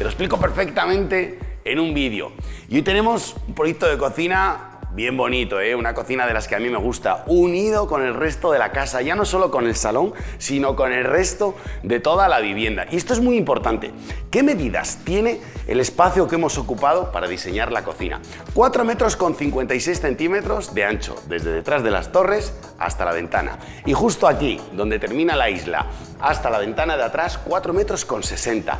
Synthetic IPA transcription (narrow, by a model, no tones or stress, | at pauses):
t̪eloespliko̞pe̞ɾfe̞k̚t̪amẽ̞nt̪e̞ːnũmbiðjo̰iojt̪e̞nẽ̞mo̞sumpɾojek̚t̪o̞ðe̞ko̞θina | βje̞mbo̞nit̪o̞e̞unako̞θinaðe̞laskeamĩme̞ɣ̞ust̪a̰uniðo̞ko̞ne̞lre̞st̪o̞ðe̞lakasaʝano̞so̞lo̞ko̞ne̞lsalo̞ŋsino̞ko̞ne̞lre̞st̪o̞d̪e̞t̪o̞ð̞alaβ̞iβ̞je̞nd̪a̰ʔie̞st̪o̞ezmuimpo̞ɾt̪ant̪e̞̰ke̞me̞ðiða̰st̪jene̞ḛle̞spaθjo̞ke̞mo̞so̞kupað̞o̞paɾaðise̞ɲaɾlako̞θḭna̰ | kwat̪ɾo̞me̞t̪ɾo̞sko̞nθiŋkwe̞nt̪ajse̞jsθe̞nt̪ime̞t̪ɾo̞zðe̞ant͡ʃo̞̰ðe̞zðe̞ðe̞t̪ɾazðe̞la̰st̪o̞re̞s | a̰st̪ala̰β̞e̞̰nt̪a̰na̰ | ixust̪oakiðo̞nd̪e̞t̪e̞ɾmĩnalaizla̰ | ast̪alaβ̞e̞nt̪anaðeat̪ɾaskwat̪ɾo̞me̞t̪ɾo̞sko̞nse̞se̞nt̪a̰